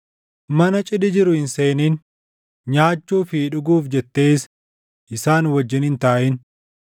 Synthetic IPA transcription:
mɐnɐt͡ʃʼɪd̪ɪd͡ʒɪɾʊhɪnseːniːn | ɲaːt͡ʃːuːfiːᶑʊɡuːfd͡ʒɛt̪ːeːs | ʔɪsaːnwɐd͡ʒːɪnhɪnt̪aːʔɪn

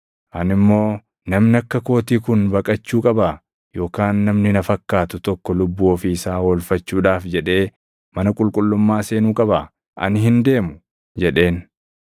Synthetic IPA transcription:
ʔɐnɪmːo̞ː | nɐmnɪɐkːɐko̞ːt̪iːkʊnbɐkʼɐt͡ʃːuːkʼɐba | jo̞ːkaːnːɐmnɪnɐfɐkːaːt̪ʊt̪ɔkːɔlʊbːuːɔfiɪsaːwɔlfɐt͡ʃːuːᶑaːfd͡ʒɛᶑe̞ː | mɐnɐkʼʊlkʼʊlːʊmːaːse̞ːnuːkʼɐbaː | ʔɐ̰nɪɦɪnd̪e̞ːmʊ | d͡ʒɛᶑe̞ːn

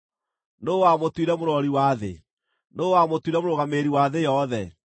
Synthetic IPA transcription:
nowamotwiɾɛmoɾɔɾiwaðḛ | noːwamotwiɾɛmoɾoɣameɾiwaðejɔðɛ

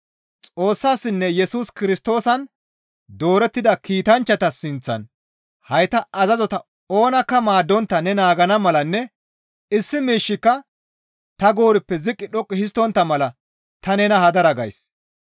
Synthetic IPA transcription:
t͡sʼo̞ːsːaːsːɪnːɛjɛsuːskɪɾɪst̪o̞ːsɐn | d̪o̞ːɾɛt̪ːɪd̪ɐkiːt̪ɐnt͡ʃːɐt̪ɐsːɪnt͡sːɐ̰n | hɐjt̪ɐʔɐzɐzɔt̪ɐ | oːnɐkːɐmaːd̪ːɔnt̪ːɐnɛnaːɡɐnɐmɐlɐnːɛ | ɪsːɪmiːʃːɪkːɐ | t̪ɐɡo̞ːɾɪpːɛzɪkʼːɪɗɔkʼːɪhɪs̬t̪ːɔnt̪ːɐmɐlɐ | t̪ɐnɛnɐhɐd̪ɐɾɐɡɐ̰js

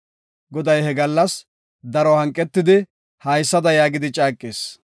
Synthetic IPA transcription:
ɡɔd̪ɐjhɛɡɐlːɐs | d̪ɐɾɔhɐŋkʼːɛt̪ːɪd̪ɪ | hɐjsːɐd̪ɐjaːɡɪd̪ɪt͡ʃʼaːkʼːeːs

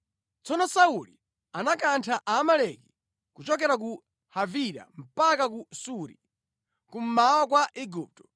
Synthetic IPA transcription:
t͡sɔnɔsauli | anakantʰaʔaːmalɛki̥ | kut͡ʃɔkɛɾak̬u | haviɾa̰m̩pakak̬usuɾḭ | kum̩mawɔk̬waʔiɡup̚tɔ̥

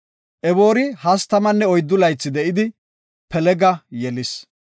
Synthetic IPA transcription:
ʔɛbo̞ːɾɪhɐst̪ɐmɐnːɛɔjd̪ːʊlɐjt͡sːɪd̪ɛʔɪd̪ɪ | pɛlɛɡɐjɛlɪs

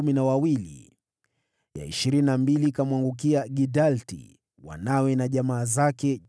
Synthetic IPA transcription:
uminawawilḭ | ja̰ḭʃiɾininambilikamwaŋɡuk̬iaɡidaltḭ | wa̰nawɛnaʄamaːzakɛ

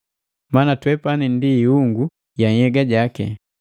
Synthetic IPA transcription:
manatwɛpanindiːuŋɡu | jaŋhɛɡaɟakɛ̰

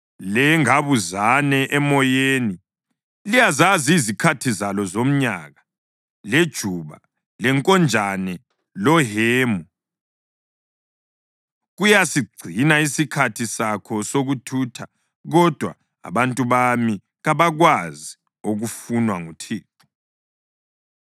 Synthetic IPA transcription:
lɛŋaβuzanɛʔɛmɔjeːni | lijazaziːzikʰatʰizalɔzom̩ɲaɣa | led̥ʒ̥ʱuβa̰ | lɛŋkʼɔnd͡ʒʱanɛ | lɔɦeːmu | ɣujasiɡ͡ǀʱinaisikʰatʰisakʰɔsoɣutʰuːtʰa | ɣɔd̥ʱwa̰ | a̰βantʼuβami | ɣaβaɣwazi | oɣufunwaŋutʰiːtʰɔ̥

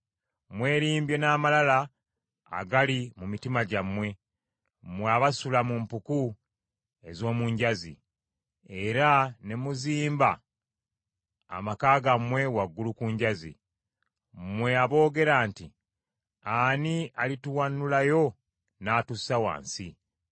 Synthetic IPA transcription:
mwe̞ːɾiːmbje̞naːmalala | a̰ɡalimumitimaɟamwe̞ | mweaβasulamumpuku | e̞zo̞ːmuɲɟazḭ | e̞ɾane̞muziːmba | makaːɡamwe̞waɡːulukuɲɟazḭ | mwe̞aβo̞ːɡe̞ɾaːnti | anialituwanːulajo̞ | naːtusawa̰ːnsi

